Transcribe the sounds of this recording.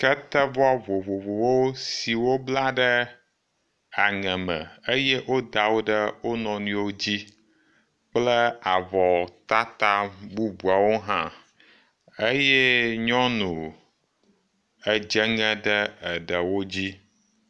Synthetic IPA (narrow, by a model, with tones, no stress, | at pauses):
kə˦t̪ə˦vɔ˦vo˨vo˨vo˨wo˦si˨wo˦bla˦ɖə˦ | a˨ŋɛ̃˨mə̰̃˨ə˦je˦ʔwʔo˦d̪a˨wo˦ɖə˦wo˦nɔ̃˨nũ˦wo˦d͡ʑi˦ | k͡plə˦a˨vɔ˨t̪a˦t̪a˦bu˦bu˨a˨wo˦ɦã˦ | ə˦jɛ˦ɲɔ̃˦nũ˨ | ə˨d͡ʒə˦ŋɛ̃˦ɖə˦ə˨ɖə˨wo˦d͡ʑi˦